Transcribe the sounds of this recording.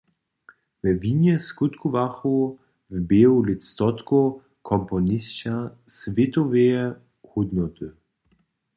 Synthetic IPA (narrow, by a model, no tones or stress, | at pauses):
vɛvinjɛskut̪kuvaxu | vbeulɪst̪ɔt̪ko | kʰɔmpɔnist͡ʃasvet̪ɔvejɛ | hud̪nɔt̪ə